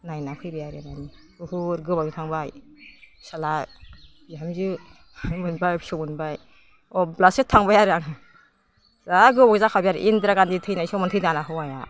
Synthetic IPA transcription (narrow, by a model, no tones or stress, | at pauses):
najnakʰɯjbajaɾenani | ɯhuɾɡɯbaitʰaŋbaj | sala | iamzɯ | mɯnbajsɔmɯnbaj | ɔblasetʰaŋbajaɾaŋ | zaɡɯbaɡzakʰabijaɾḭʔindɾaɡanditʰɯjnajsɔmantʰɯjdanaɦɯwaja̰